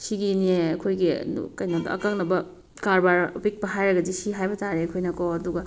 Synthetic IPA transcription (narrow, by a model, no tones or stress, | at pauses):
siɡineɐkʰojɡḭkɐjnadɐ̰ɐ̰kak̚nɐbɐ | kaɾbaɾbik̚pɐɦajɾɐɡɐzisiɦajbɐtaɾekʰojnɐkɔɐduɡɐ